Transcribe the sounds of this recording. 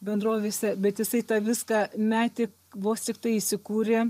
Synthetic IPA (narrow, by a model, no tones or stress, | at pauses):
bʲɛnd̪roːʋʲeːsʲɛbʲɛt̪jɪsɐɪt̪ɑʋʲɪskɑmʲæːt̪ʲɪ | ʋoːst̪ʲɪk̚t̪ɐɪɪsʲɪkuːɾʲeː